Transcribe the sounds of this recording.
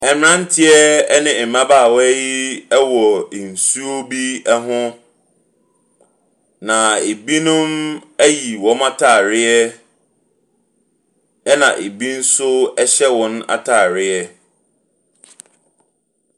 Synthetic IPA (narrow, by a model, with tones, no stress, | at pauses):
ɛ˨m˨ɾã˦n˦tʰɪ˦ɛ˦nɪ̃˨mã˦baː˦˨wji˦ɛ˦wɔ˨n̩˨su˦o˦bi˦ɛ˦ɦʊ̃˦ | nã˨e˨bi˦nʊ̃˦mæ˦ji˨wɔ̃˦ma˦tʰaː˨ɾɪ˦ɛ˦ | ɛ˦nã˨ʔe˨bi˦n̩˦sʊ˦ɛ˦ɕɛ˦wɔ̃˦na̰˨tʰaː˨ɾɪ˦ɛ˦